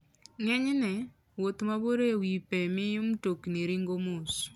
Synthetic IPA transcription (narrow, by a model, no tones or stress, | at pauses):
ŋɛɲnɛ | wot̪maboɾewipɛmɪjʊmtokniɾiŋɡomos